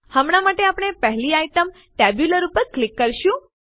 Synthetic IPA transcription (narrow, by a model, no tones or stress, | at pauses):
həmɽ̃amaʈeapɽ̃epəɦliajʈəm | ʈɛbjuləɾupəɾklɪkːəɾʃũ